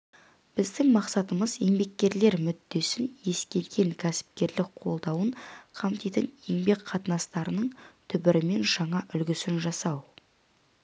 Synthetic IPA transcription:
b̥ɪzd̪ɪŋmɑqsɑt̪əməzje̞ŋbe̞k̚ʲːe̞ɾle̞ɾmʏd̪ːe̞sɪnje̞skʲe̞lɡʲe̞ŋkʲʰæsɪ̥p̚kʲe̞ɾlɪkqʰo̞lˠd̪ɑwəɴqʰɑmt̪ijt̪ɪnje̞ŋbe̞kqʰɑt̪ənɑst̪ɑɾənəɴt̪ʰʏbɪɾɪme̞nʒɑɴɑʔʏlɡʲɪsɪnʒɑsɑw

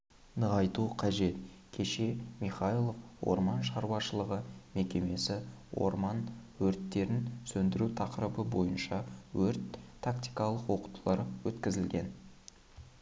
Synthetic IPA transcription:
nəʁɑjt̪uqʰɑʒe̞t̪ | kʲʰe̞ʃe̞mijχɑjlˠo̞fwo̞̰ɾmɑnʃɑɾwɑʃəlˠəʁəme̞kʲe̞me̞sɪ | wo̰ɾmɑnwɵɾt̪ːe̞ɾɪnsɵnd̪ɪɾut̪ʰɑqəɾəbəbo̞jənʃɑwɵɾt̪ʰːakt̪ijkɑlˠəqwo̞qu̥t̪ʰəlˠɑɾwɵt̪kʲɪzɪlɡʲe̞n

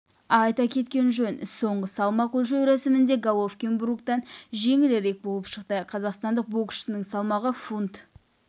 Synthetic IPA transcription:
ɑjt̪ɑkʲʰe̞t̪kʲe̞nʒɵnso̞ɴʁəsɑlˠmɑqɵlʃ̬ewɾæsɪmɪnd̪e̞ɡalˠofkʲenbɾukt̪ɑnʒe̞ŋɪleɾe̞k̚bo̞lˠəpʃəq̚t̪əqʰɑzɑqst̪ɑnd̪əq̚bokʲɪ̥ʃɪnəŋsɑlˠmɑʁəfunt̪

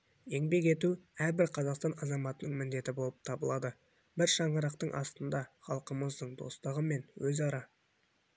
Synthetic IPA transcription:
e̞ŋbe̞ke̞t̪uæɾbɪɾqʰɑzɑqst̪ɑnɑzɑmɑt̪ənəɴŋmɪnd̪e̞t̪ɪbo̞lˠəp̚t̪ʰɑbəlˠɑd̪ə | bɪɾʃɑɴəɾɑqt̪əɴʔɑ̰st̪ənd̪ɑχɑlˠqəməzd̪əɴd̪o̞̰st̪əʁəme̞nwɵzɑɾɑ

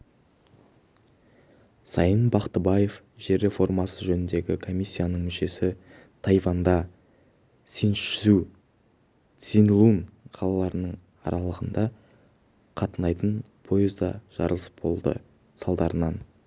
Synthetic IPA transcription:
sɑjənbɑqt̪əbɑje̞f | ʒe̞ɾe̞fo̞rmɑsəʒɵnɪnd̪e̞ɡʲɪkʰo̞mʲijsʲːijanəɴmʏʃe̞sɪ | t̪ʰɑjvɑnd̪ɑ | sinʃʏu | t̪sinlˠunqʰɑlˠɑlˠɑɾənəɴ | ɑ̰ɾʔɑlˠəʁənd̪ɑ | qʰɑt̪ənɑjt̪ən | pʰo̞ezd̪ɑʒ̥ɑ̰ɾəlˠəsbo̞̰lˠd̪ə̰ | sɑlˠd̪ɑɾənɑn

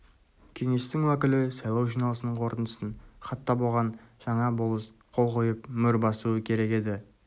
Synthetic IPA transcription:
kʲʰe̞ŋe̞st̪ɪŋwækʲɪlɪsɑjlˠɑwʒijnɑlˠəsənəɴqʰo̞ɾt̪ənt̪əsənχɑt̪ːɑbo̞lˠʁɑnʒ̥ɑɴɑbolˠəsqʰo̞lˠqʰo̞jəpmʏɾbɑsuəkʲʰe̞ɾe̞kʲe̞d̪ɪ

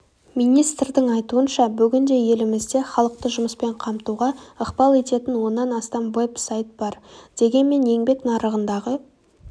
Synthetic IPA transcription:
mijnijst̪rd̪ɪŋɑjt̪uənʃɑbʏɡʲɪnd̪e̞je̞lɪmɪzd̪e̞χɑlˠəq̚t̪əʒʊməspe̞ɴqʰɑmt̪uʁɑəqbɑlˠe̞t̪e̞t̪ɪnwo̞nːɑnɑst̪ɑmwepsajt̪̚bɑɾd̪̥e̞ɡʲe̞nme̞ne̞ŋbe̞knɑɾəʁənd̪ɑʁə

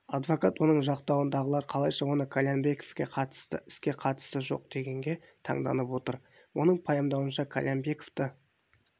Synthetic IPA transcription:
ɑd̪vo̞kɑt̪wo̞nəɴʒɑqt̪ɑwənd̪ɑʁəlˠɑɾqʰɑlˠɑjʃɑwo̞nəkʰalʲambe̞ko̥fkʲeqʰɑt̪st̪əɪskʲe̞qʰɑt̪ə̥st̪əʒo̞̰q̚d̪̥e̞ɡʲe̞ŋɡʲe̞ | t̪ʰɑ̰ɴd̪ɑ̰nəpwo̞t̪əɾ | wo̞nəɴpʰɑjɑmd̪ɑwənʃɑkʰa̰lʲʔambe̞ko̥ft̪ə

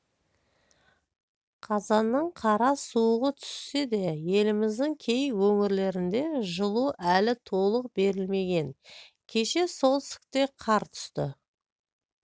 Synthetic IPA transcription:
qʰɑzɑnːəɴqʰɑɾɑsuəʁət̪ʰʏ̥sːe̞d̪e̞je̞lɪmɪzd̪ɪŋkʲʰe̞jwɵŋɪɾle̞ɾɪnd̪e̞ʒəlˠuʔælɪt̪ʰo̞lˠəq̚be̞ɾɪlme̞ɡʲe̞n | kʲʰe̞ʃe̞so̞lˠtsɪ̥k̚t̪e̞qʰɑɾt̪ʰʏ̥st̪ɪ̰

